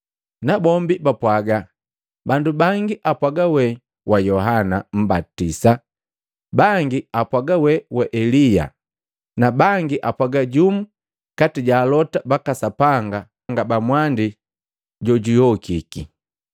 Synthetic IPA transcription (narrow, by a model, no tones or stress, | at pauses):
nabɔmbibapwaɡa | bandubaŋɡiʔapwaɡawɛ | wajɔɦanam̩batisa | baŋɡiapwaɡawɛwɛʔɛlija̰ | nabaŋɡiʔapwaɡaɟumu | katiɟaːlɔtabakasapaŋɡa | ŋɡabamwandi | ɟɔɟujɔkiki